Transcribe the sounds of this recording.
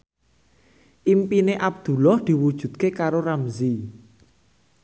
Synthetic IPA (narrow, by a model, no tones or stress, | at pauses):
ʔimpineʔab̚d̪̥ṳlɔhd̪̥i̤wud̥ʒ̥ṳt̪̚kekaɾoɾamzi